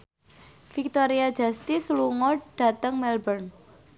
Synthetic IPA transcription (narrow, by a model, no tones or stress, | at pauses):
fik̚t̪oɾiḁd͡ʒ̥a̤st̪isluŋɔɖ̥a̤t̪əŋmɛlbərn